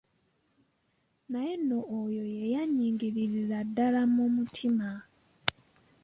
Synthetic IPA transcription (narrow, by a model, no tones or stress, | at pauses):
najenoʔːjo̞je̞jaɲiːŋɡiɾiɾiladːalamumutʰima